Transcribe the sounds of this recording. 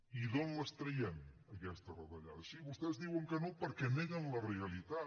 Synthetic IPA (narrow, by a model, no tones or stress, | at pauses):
iðonləst̪ɾəjɛm | əkɛst̪ərəðəʎa̰ðəsiβust̪ɛzðiwəŋkənopəɾkɛneɣənləreəlit̪a